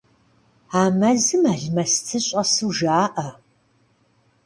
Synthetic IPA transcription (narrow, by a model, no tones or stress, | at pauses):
aːmɐzɨmaːɮmɐstʰɨɕʼɐsɨwʒaːʔɐ